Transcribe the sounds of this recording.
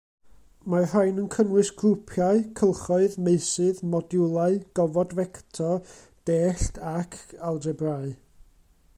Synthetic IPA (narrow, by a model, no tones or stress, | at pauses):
mar̥ajnənkʰənwɨsɡrupʰjaɨkʰəlˠχɔɨðmeɨsɨðmɔdjʊlˠaɨɡ̥ɔvɔdvɛktʰɔ | d̥eːɬtʰakʰalˠdɛbraɨ